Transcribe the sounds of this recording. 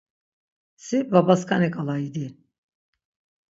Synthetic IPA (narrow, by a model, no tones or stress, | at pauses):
sibabaskʰanɛkʼalˠaid̪i